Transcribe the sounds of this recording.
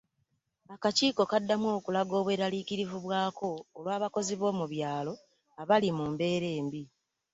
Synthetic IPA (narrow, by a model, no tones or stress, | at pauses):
akaciːko̞kadːamwo̞ːkulaɡo̞ːβwe̞ːɾaliːkiɾivuβwaːko̞ːlwaːβako̞ziβo̞ːmuβjaːlo̞ | aβalimumbe̞ːɾe̞ːmbi